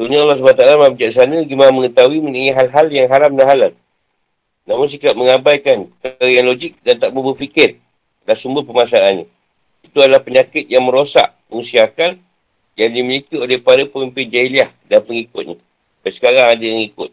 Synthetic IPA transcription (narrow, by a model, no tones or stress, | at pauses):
tuɲaɑlːɑs̬banat̪alamabəd͡ʒaʔsanə̃ɡimanməŋət̪awimə̃nəŋiɦalɦaljaŋɦalamdanɦalam | namʊns̬ikap̚məŋãbajkankɾəjaŋlod͡ʒɪk̚dant̪aʔbəbəfikɪr | dasumbəhpəmasalanɲã | it̪uadalahpəɲakɪt̪̚jaŋmə̃ɾosa̰ʔ | muŋsiakan | jandiməlikiolepadapəmimpɪnd͡ʒailiahdanpəŋikʊt̪̚ɲa | pasə̥kaɾaŋadajaŋikʊt̪̚